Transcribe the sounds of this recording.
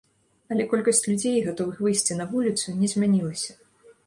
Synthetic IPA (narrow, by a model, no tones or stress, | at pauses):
ɐlʲɛkɔlʲkɐsʲt͡sʲlʲud͡zʲejɣat̪ɔvɨxvɨjsʲt͡sʲinɐvulʲit̪sunʲɛzʲmʲanʲilˠɐsʲɐ